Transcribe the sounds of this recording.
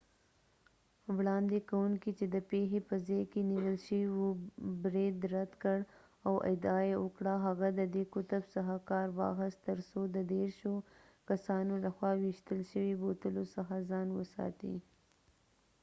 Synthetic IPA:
wɽɑnd̪ekawuŋkit͡ʃed̪əpexepəzɑjkeniwəlʃəiwobɾed̪ɾad̪kəɽ | awʔɪ̰d̪ɑjeəkɽaɦaɣad̪əd̪ekʊt̪absaɦakɑɾwɑ̰xəst̪əɾsod̪əd̪eɾʃo | kasɑnolaxwɑwɪʃt̪əlʃəwibot̪əlosaxazɑnwə̰sɑ̰t̪ḭ

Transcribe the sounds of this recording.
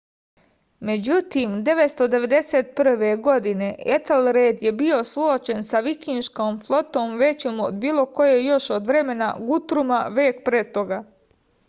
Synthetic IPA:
me̞d͡ʑut̪iːmd̪e̞ʋe̞t̪st̪o̞d̪e̞ʋe̞d̪e̞seːt̪̚pr̩ʋe̞ɡo̞d̪ine̞ʔet̪elɾeːd̪je̞bio̞suot͡ʃe̞nsaʋikinʃkoːmflˠo̞t̪o̞ːmʋe̞t͡ɕoːmo̰d̪biːlˠo̞ko̞jejo̞ʃod̪ʋɾe̞me̞na̰ɡut̪ɾumaʋeːk̚pɾet̪o̞ɡa

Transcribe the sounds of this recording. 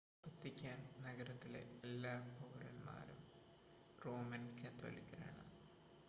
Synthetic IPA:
bɐt̪ːikʲːaːnnɐɡɐɾɐt̪ːilḛelːaːpoʋɐrɐnma̰ːɾum | roːmɐnkːɐt̪o̰likʲːɐrḛːɳɐ̰m

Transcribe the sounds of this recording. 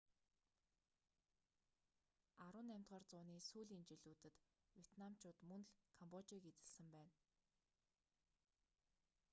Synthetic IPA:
aɾʊːnæmʲt̪ɢɔːrt͡sʊːniːsuːɮiːnt͡ɕiɮuːt̪ɘ̆t̪ | wʲjet̪namt͡ɕʰʊːt̪mɵnɮkʰampɔt͡ɕiːket͡sɘ̆ɮsɘ̆mpæːn

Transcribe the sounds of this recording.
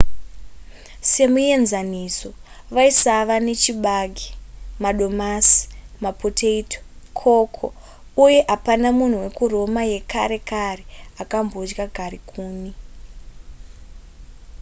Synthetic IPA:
se̞muje̞nzaniso̞ | ʋaisaʋane̞t͡ʃiɓaɡʱimaɗo̞masi̥mapotʰeitʰo̥kʰo̞kʰo̰ | uje̞ʔapanamun̤uwe̞kuro̞maje̞kaɾe̞kareakambod͡ʒɡaɡʱarikʰuːni

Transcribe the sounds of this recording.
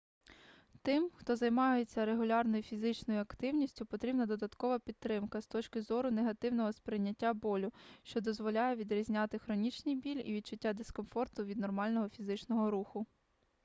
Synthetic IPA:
t̪ɪmxt̪ɔzɐjmɑjet͡sʲːɐɾeɦʊlʲɑrnɔjʊfʲizɪt͡ʃnɔjʊɐkt̪ɪwnʲisʲtʲʊpɔt̪ɾʲibnɐd̪ɔd̪ɐt̪kɔʋɐpʲid̪̚ɾɪmkɐst̪ɔt͡ʃkɪzɔɾʊneɦɐt̪ɪwnɔɦɔspɾɪjnʲːɐtʲːabɔlʲʊʃt͡ʃɔd̪ɔzʋɔlʲajɛʋʲid̪ɾʲizʲnʲɑt̪ɪxɾɔnʲit͡ʃnʲijbʲilʲḭʋʲid̪t͡ʃʊtʲːad̪eskɔnfɔrt̪ʊʋʲid̪nɔrmɑlʲnɔɦɔfʲizɪt͡ʃnɔɦɔɾuxʊ

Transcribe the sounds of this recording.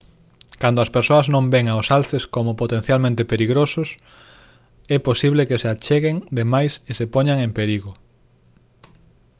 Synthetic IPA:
kand̪oɐspeɾsoɐznõmbɛŋaosalθeskomʊpot̪en̟θjalmẽnt̪epeɾiɣɾosʊs | ɛposiβlekeseat͡ʃeɣeŋd̪emajsesepoɲaŋempeɾiɣo

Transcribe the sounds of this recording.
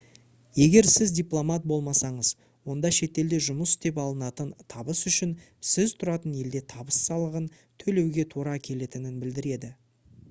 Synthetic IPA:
je̞ɡʲe̞ɾsɪzdʲijplˠo̞mat̪̚bo̞lˠmɑsɑɴəz | wo̞nd̪ɑʃe̞t̪e̞ld̪e̞ʒʊməst̪e̞p̬ɑlˠənɑt̪ənt̪ʰɑbəsʏʃɪn | sɪzt̪ʰʊɾɑt̪əne̞ld̪e̞t̪ʰɑbəsːɑlˠəʁən | t̪ʰɵle̞wɡʲe̞t̪ʰuɾɑkʲʰe̞le̞t̪ɪnɪnbɪld̪ɪɾe̞d̪ɪ

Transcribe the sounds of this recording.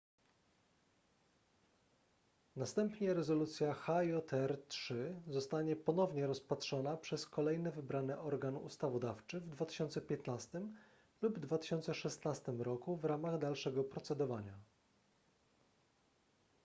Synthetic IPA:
nast̪ɛmpɲɛɾɛzɔlut̪sʲjaxajɔt̪ɛɾt̪ʂɘzɔst̪aɲɛpɔnɔvɲɛɾɔspatʂɔnapʂɛskɔlɛjnɛvɘbɾanɛʔɔɾɡanṵst̪avɔd̪aft͡ʂɘvd̪vat̪ɘ̥ɕɔnt̪sɛpʲjɛt̪nast̪ɘm | lubd̪vat̪ɘ̥ɕɔnt̪sɛʂɛst̪nast̪ɘmɾɔkuvɾamaɣd̪alʂɛɡɔpɾɔt̪sɛd̪ɔvaɲa

